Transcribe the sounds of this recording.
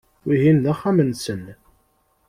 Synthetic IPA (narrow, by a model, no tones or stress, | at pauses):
wiɦinðaχːamənsən